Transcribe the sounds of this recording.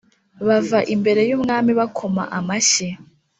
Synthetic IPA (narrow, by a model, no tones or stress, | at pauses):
βavaʔimbe̞ɾe̞juːmŋaːmiβakʰoma̰ʔamaɕe